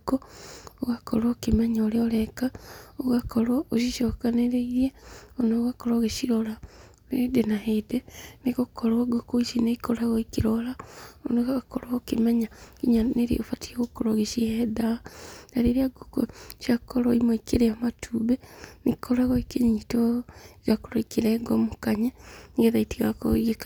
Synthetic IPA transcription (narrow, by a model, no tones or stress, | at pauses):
kooɣakoɾokemɛɲaoɾeoɾɛkaoɣakoɾooʃiʃɔkaneɾeiɾeonoːɣakoɾoɣeʃiɾola | edenahedeneɣokoɾoɡokoisineikoɾaɣɔikiɾɔlaonoɣakɔɾakemɛɲakiɲaneɾḛofatieɣokɔɾɔɣeʃiɛdaanaɾeɾeaɡokoʃiakɔɾɔimoikeɾeamatʰuβenekʰɔɾaɣɔikeɲɲitiɣakoɾɔikeɾɛɡɔmokaɲɛɣeðaitiɣakoiɣek